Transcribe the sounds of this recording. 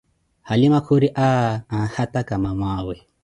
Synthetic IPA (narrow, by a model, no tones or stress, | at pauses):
halimakʰuɾiʔaahatakamamwaːwɛ